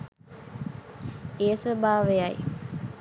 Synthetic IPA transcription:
eːsʋəbaːʋejaj

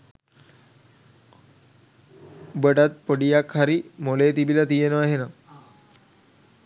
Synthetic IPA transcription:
bəɖat̪̚pəɽijakhaɾimolet̪ibilat̪ijenoaɦena

